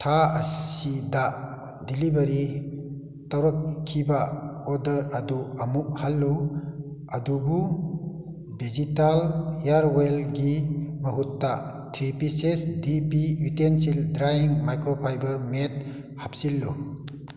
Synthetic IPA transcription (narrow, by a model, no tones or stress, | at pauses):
tʰaɐsida | dilibɐɾi | tawɾɔk̚kʰːibaɔdɐɾaduamuk̚halːu | adubu | bid͡ʒitaljaɾwelɡiməɦutːa | tʰɾipisesdibiutensildɾajiŋmajkɾopʰajbɐɾmet̚ | hap̚silːu